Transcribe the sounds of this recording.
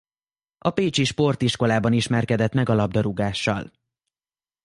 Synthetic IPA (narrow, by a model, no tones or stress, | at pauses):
ɒpeːt͡ʃiʃpo̞rt̪iʃko̞laːbɒniʃmɛrkɛd̪ɛt̪mɛɡɒlɒb̚d̪ɒɾuɡaːʃːɒ̰l